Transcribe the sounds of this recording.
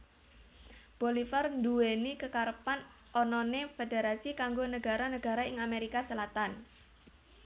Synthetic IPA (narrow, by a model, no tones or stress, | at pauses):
b̥olifarnd̪uwenikəkaɾəpan | ʔɔnɔnefedeɾasikaŋɡonəɡa̤ɾanəɡ̥a̤ɾaɪŋameɾikasəlat̪an